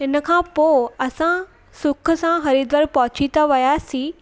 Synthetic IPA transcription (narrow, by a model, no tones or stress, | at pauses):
ɦɪnə̆kʰãpoːɐsã | sʊkʰə̆sãɦɐɾid̪ʋəɾpɐɦʊt͡ɕit̪aʋɐjaːsĩː